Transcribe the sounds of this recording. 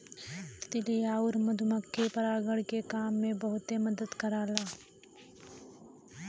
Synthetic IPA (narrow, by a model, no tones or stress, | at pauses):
t̪ɪlijaːʊɾmɐd̪ʱuməkːepɐɾaːɡəɽkekaːmːẽbəɦʊt̪eməd̪əd̪kɐɾaːlaː